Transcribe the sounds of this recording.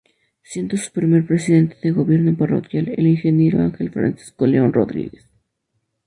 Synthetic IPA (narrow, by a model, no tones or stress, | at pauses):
sje̞nd̪osu̥pɾime̞ɾpɾe̞siðe̞nt̪eðe̞lɣo̞βje̞ɾnoparo̞̰kjalḛliŋxe̞nje̞ɾo̞̰aŋxe̞lfɾa̰nsi̥sko̞le̞o̞nro̞̰ðɾḭɣe̞s